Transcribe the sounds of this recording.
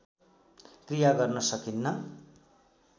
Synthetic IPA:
krijaɡʌrnʌsʌkinːʌ

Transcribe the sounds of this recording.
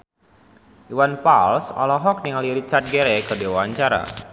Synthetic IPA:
ʔiwanpalsɔ̰lɔɦɔk̚niŋaliɾit͡ʃart̪̚ɡɛɾɛkədewaaɲt͡ʃaɾa̰

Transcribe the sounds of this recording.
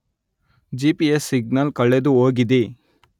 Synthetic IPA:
d͡ʒipiesːiɡnɐlkɐɭːed̪uoːɡid̪i

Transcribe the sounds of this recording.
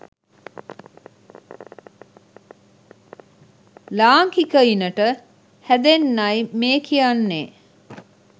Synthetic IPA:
laːŋkikəinəʈə | hæd̪enːajmeːkʰijanːḛː

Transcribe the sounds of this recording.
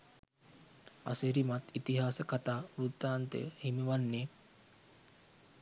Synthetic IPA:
a̰seɾimat̪it̪iɦaːsəkat̪aːʋɾut̪ːaːnt̪ḛhimiʋanːeː

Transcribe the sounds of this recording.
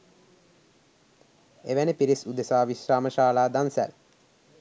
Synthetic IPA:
eʋænəpiɾisud̪esaːʋisraːməʃaːlaːd̪ansæ̰l

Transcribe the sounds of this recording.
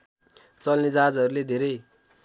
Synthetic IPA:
t͡sʌlned͡zad͡zʌɾuled̪ʱeɾʌj

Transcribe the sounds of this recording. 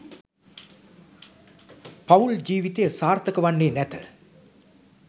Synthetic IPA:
pauld͡ʒiːʋit̪ejəsaːrt̪əkəʋanːeːnæt̪ə

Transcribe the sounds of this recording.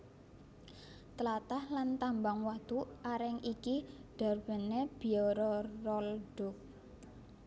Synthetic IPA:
t̪əlat̪ahlant̪ambaŋwat̪uʔʔaɾɛŋikiɖ̥a̤rb̥ə̤neb̥i̤jɔɾɔrɔlɖ̥ʊ̤k̚

